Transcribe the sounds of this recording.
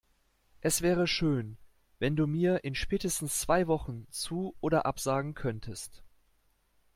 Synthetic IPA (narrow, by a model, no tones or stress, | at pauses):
ʔɛsv̥ɛːʁ̞əʃøːn | vɛnduːmiːɐʔɪnʃpɛːtəstn̩st͡sv̥aɪvɔχn̩t͡suːʔoːdɐʔapz̥aːɡŋ̩kʰœntʰəst